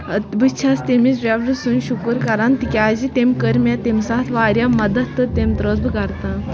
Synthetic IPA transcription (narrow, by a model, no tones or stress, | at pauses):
bɨt͡ʃʰast̪emisɾaʋɾɨsunʃukəɾkɐɾant̪ikʲaːd͡ʑit̪emʲkəɾmʲjat̪emsaːt̪ʰʋaːɾjamɐd̪ɐt̪ːɨt̪emt̪ɾosbɨkɐɾt̪a